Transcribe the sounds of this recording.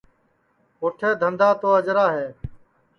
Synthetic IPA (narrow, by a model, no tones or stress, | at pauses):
ɦʊʈʰeːd̪ʱənd̪aːt̪oːəd͡ʒɾaːɦeː